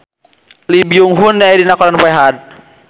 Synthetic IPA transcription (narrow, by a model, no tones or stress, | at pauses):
libiuŋɦunːɛidinakɔlanpɛɦad̚